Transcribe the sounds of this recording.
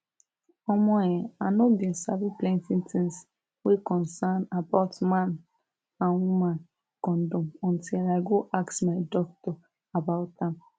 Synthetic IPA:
ɔmɔ̃ɛ̃anɔbĩnsabiplɛ̃ntĩntĩns | wekɔ̃nsanabaʊtmãn | ãnwumãn | kɔ̃ndɔ̃mɔ̃ntilaɪɡoʔaksmaɪdɔk̚tɔ | abaʊtãm

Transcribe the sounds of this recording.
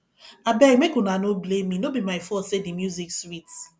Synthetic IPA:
abɛjmekunanobleminobimaɪfɔsedimjuzikswit

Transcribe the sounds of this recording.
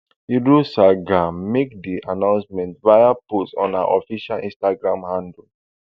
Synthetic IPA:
iɹosaɡãmːek̚diʔanãʊ̃nsmɛ̃ntvajapostɔ̃nã̰ʔɔfiʃalĩnstaɡɹãmhãndə

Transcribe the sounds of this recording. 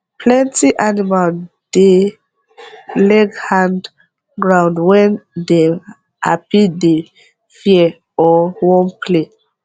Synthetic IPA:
pʰlɛ̃ntiʔanimal | d̥e | lɛɡhãnd | ɡɹãʊ̃ndwɛ̃nde | a̰pide | fiɛ | ɔwɔ̃npʰle

